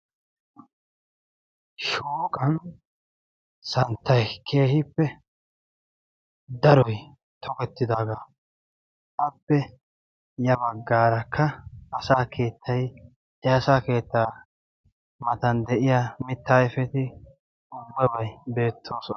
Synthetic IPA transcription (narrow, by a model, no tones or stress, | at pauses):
ʃoːkʼɐn | sɐnt̪ːɐjkʰe̞ːhɪpːɛ | d̪ɐɾɔj | t̪ʰɔkɛt̪ːɪd̪aːɡa | ʔɐpːɛ | jɐbɐɡːaːɾɐkʰːɐɐsaːkʰe̞ːt̪ːɐj | ɛɐsaːke̞ːt̪ːaː | mɐt̪ɐnd̪ɛʔɪjaːmɪt̪ːaːɛfɛt̪ɪ | ʊbːɛbɐjbe̞ːt̪ʰːo̞ːsɔ